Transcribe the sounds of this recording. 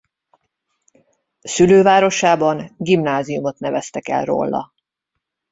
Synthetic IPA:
syløːvaːɾo̞ʃaːbɒnɡimnaːzijumo̞t̪nɛvɛst̪ɛkɛ̰lro̰lːɒ̰

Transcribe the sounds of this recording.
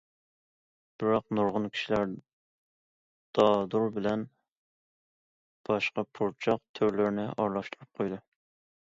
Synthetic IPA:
b̥ɪɾɑqnuɾʁʊnkʲʰi̥ʃilæɾ | d̪̥ɑd̪uɾbɪlɛn | b̥ɑʃqɑpʰuɾt͡ʃʰɑq̚t̪ʰøɾlɪɾnɪʔɑɾlˠɑʃt̪uɾup̚qʰojd̪u

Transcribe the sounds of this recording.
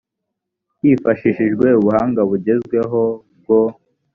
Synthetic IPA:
jifaʃiʃiʒɡwe̞uβuhaːŋɡaβuɟe̞zɡwe̞ɦo̞b̚ɡo

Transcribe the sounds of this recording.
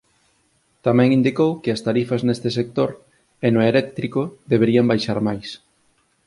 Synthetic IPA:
t̪amɛ̃ŋĩnd̪ikowkɪɐst̪aɾifɐznest̪ɪsek̚t̪oɾ | enoelɛk̚t̪ɾikoðeβ̞eɾiambajʃaɾmajs

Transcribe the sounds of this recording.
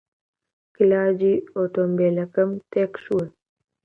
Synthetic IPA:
kilaːd͡ʑioːʈoːmbeːlɐkɐmt̪eːkʃuə

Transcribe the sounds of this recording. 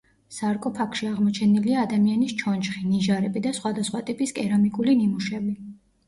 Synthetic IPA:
saɾkʼɔpʰakʰʃiaʁmɔt͡ʃʰɛniliaːd̪amianist͡ʃʰɔnd͡ʒχiniʒaɾɛbid̪asχwad̪asχwat̪ʼipʼiskʼɛɾamikʼulinimuʃɛbi

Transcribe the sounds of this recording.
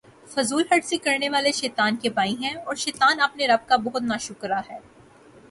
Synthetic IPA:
fɐzuːlɦɐɖsikɐɾneʋaːleʃɛːt̪aːnkebaːĩɦɛ̃ɔːɾʃɛːt̪aːnɐpneɾɐb̚kabɔɦʊt̪naːʃʊkɾaɦɛː

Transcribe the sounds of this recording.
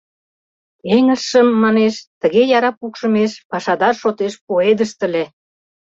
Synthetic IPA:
eŋə̆ʃəmːɑneʃt̪ə̆ɣejɑɾɑpukʃə̆meʃpɑʃɑd̪ɑrʃot̪eʃpoed̪əʃt̪ə̆le

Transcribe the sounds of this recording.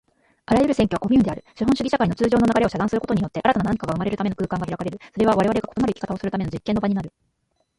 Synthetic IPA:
aɾajɯ̟ɾɯ̟seŋkʲoḁko̞mʲɨ̟ːnd̪e̞aɾɯ̟ɕiɦõɕɨɡiɕakaino̞t͡sɨːʑo̞ːnoaɡaɾe̞o̞ɕad̪ãɰ̃sɨɾɯkot̪oɲijo̞t̪ːe̞ʔaɾat̪ananaɲikaɡaɯ̟maɾe̞ɾɯ̟t̪ame̞nokɯːkãŋɡaçiɾakaɾe̞ɾɯ̟so̞ɾe̞β̞aβaɾe̞βaɾe̞ɡakoo̞maɾɯ̟ikʲi̥kat̪ao̞sɨɾɯt̪ame̞no̞d͡ʑikːenːo̞baɲinaɾɯ̟

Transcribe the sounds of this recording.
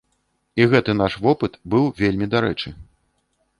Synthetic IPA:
iɣɛt̪ɨnaʂvɔpɨt̪bɨwvʲelʲmʲid̪aɾɛt͡ʂɨ

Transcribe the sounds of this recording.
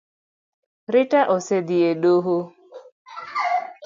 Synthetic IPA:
ɾɪtaʔosed̪ieɗoɦo

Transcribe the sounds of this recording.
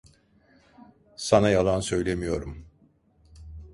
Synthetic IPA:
sanajalˠansø̞jlʲe̞mijo̞ɾum

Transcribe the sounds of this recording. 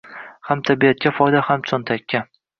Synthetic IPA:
hamt̪ʰabiat̪̚kʲafɒjd̪ahamt͡ʃʰɒnt̪ʰakʲːa

